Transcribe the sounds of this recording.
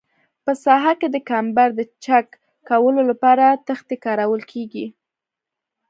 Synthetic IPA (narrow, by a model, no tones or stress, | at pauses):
pəsɑɦaked̪əkambaɾd̪ət͡ʃakː | awəlolapɑɾat̪əxt̪ekɑɾawəlkʰeɡi